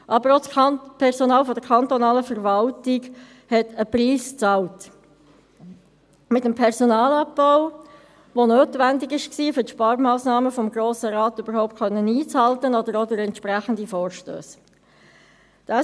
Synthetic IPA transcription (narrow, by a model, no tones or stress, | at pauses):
ʔɑbəɾospʰɛʁsonɑːlfod̥əkʰɑnt̪ɔnɑːləfəɾvɑltɪɡ | hɛtəpriːst͡sɑlt | mɪtəmpʰɛʁsonɑːlɑp̚bɔʊ | ʋonøːtvændɪɡɪʃksiːfʏtʃpɑːɾmɑːsnɑːməfɔmɡɾoːsəɾɑːt̪ʏb̥əɾhɔʊp̚t̚kʰχœnːəniːt͡shɑltənɔd̥əɾodʊɾɛntʃpʁæχəndifoːɾʃtø̰ːs | d̥ɑ